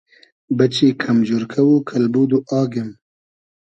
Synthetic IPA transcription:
bɐt͡ʃikʰɐmd͡ʒuɾkʰɐwukʰɐlbuːd̪uʔɑːɡem

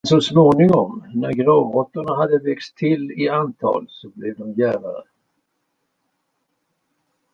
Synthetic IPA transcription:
sɔsmoːnɪŋɔmnæɾɡɾɑːvɔt̪ːəɳaɦad̪ːəvɛkst̪ʰːɪlɪant̪ʰɑ̰ːlsɔblɛvd̪ɔmjæːɾaɾə̰

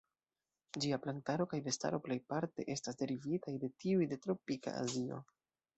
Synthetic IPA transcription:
d͡ʒiaplantaɾo̞kajve̞sta̰ɾo̞ple̞jpaɾte̞̰ʔe̞stasde̞ɾivitajde̞tiujde̞tɾo̞pika̰a̰zio̞̰

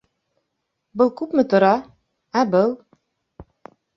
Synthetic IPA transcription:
bɤlˠkʉpmɘ̆t̪ŏɾɑ | æbɤlˠ

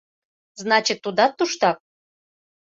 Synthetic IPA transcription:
znɑt͡ɕit̪ːud̪ɑt̪ːuʃt̪ɑp̚

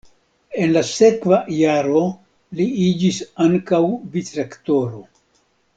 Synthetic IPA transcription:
e̞nlase̞kvajaɾo̞ | liid͡ʒisaŋkawvitɾakto̞ɾo̞

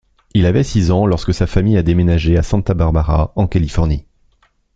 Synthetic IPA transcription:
ilavɛsizɑ̃lɔʁskəsafamijad̪emenaʒeasɛ̃t̪abaʁbaʁaɑ̃kalifɔʁni

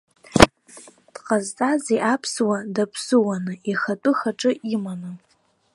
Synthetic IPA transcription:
d̥qʼazt͡sʼaziʔapʰswadapʰsɨwanɨiχatʼʊχaʈ͡ʂʼɨimanɨ

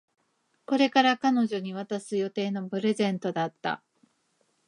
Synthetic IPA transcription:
ko̞ɾe̞kaɾakano̞ʑo̞ɲ̟iβ̞at̪asɨjo̞t̪e̞ːno̞pɯ̟ɾe̞zẽ̞nt̪o̞d̪at̪ːa̰

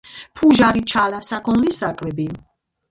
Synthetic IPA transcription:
pʰuʒaɾit͡ʃʰalasakʰɔnlisakʼvɛbi

